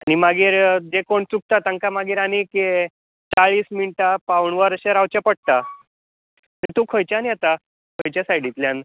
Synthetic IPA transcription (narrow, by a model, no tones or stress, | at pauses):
añimaɡiːɾd͡ʑekoɳt͡suk̚t̪at̪aŋkamaɡiːɾanike | t͡saɭiːsminʈapawɳʋəɾəɕaɾawt͡ɕjapəɽ̚t̪a | t̪ət̪ukʰojt͡ɕjanijat̪a | kʰojt͡ɕjasajɽit̪ljãn